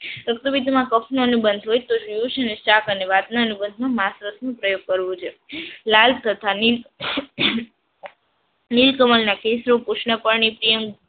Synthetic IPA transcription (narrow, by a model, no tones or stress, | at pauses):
pɾək̚t̪əbid̪mãkəpʰnonũbənd̪ʱɦojt̪oʃijuʃeneʃakəneʋad̪nanubənd̪ʱmãmasɾəsnũpɾəjoɡ̚kəɾʋũt͡ʃʰelalt̪ʰət̪ʰanil | nilkəməlnakesɾopuʃnapəɾnipɾijəmɡ